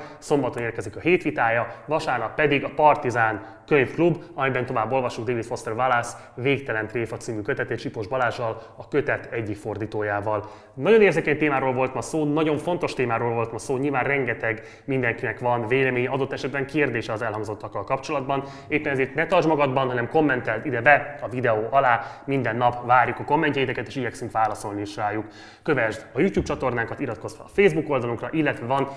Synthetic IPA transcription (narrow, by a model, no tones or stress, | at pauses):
so̞mbɒt̪oneːrkɛzikɒɦeːt̪ʋit̪aːjɒvɒʃaːrnɒkpɛd̪iɡɒpɒrt̪izaːn | køɲfklubɒmɛjbɛnt̪o̞vaːbːo̞lvɒʃuŋɡ̚d̪eːvit̪fo̞st̪ɛlvalas | veːkt̪ɛlɛnt̪reːfɒt̪siːmykøt̪ɛt̪eːt͡ʃipoʒbɒlaːʒɒl | ɒkøt̪ɛt̪ʰɛɟːikfo̞rd̪iːt̪oːjaːvɒl | nɒɟo̞neːrzekɛɲt̪eːmaːɾoːlvo̞lt̪mɒsoːnɒɟo̞ɱfo̞nt̪o̞ʃt̪eːmaːɾoːlvo̞lt̪mɒsoːɲilvaːnrrɛŋɡɛt̪ɛɡ | mind̪ɛŋkinɛkʋɒnveːlɛmeːɲɛɒd̪o̞t̪ːɛʃɛd̪bɛŋkeːrd̪eːʃɛɒzɛlɦɒŋɡzo̞t̪ːɒkːɒlkɒpt͡ʃo̞lɒd̪bɒn | eːpːɛnɛzeːrt̪nɛt̪ɒrʒmɒɡɒd̪bɒnɦɒnɛmko̞mːɛnt̪ɛlt̪id̪ɛbɛɒvid̪ɛoːʔɒlaːmind̪ɛnːɒpvaːrjukɒko̞mːɛɲcɛjit̪ɛkɛt̪eːʃiɟɛksyŋkʋaːlɒso̞lniʃraːjukː | ø̞vɛʒd̪ɒjuːc̪juːp̚t͡ʃɒt̪o̞rnaːŋkɒt̪iɾɒt̪ko̞sfɛlɒfeːzbuko̞ld̪ɒluŋkrɒʔilːɛt̪ʋɛvɒn